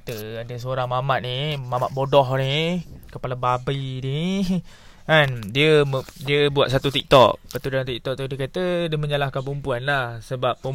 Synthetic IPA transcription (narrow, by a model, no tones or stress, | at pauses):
t̪əadəs̬əoɾaŋmamat̪̚nimamat̪̚bodɔɦnikəpalababəjni | andiəmdiəbuat̪̚s̬at̪ut̪ik̚t̪ɔ̰k̚pat̪udaaŋt̪ik̚t̪ɔk̚t̪udikat̪ədəmə̃ɲalahkanpumpuanlahsəbap̚ːə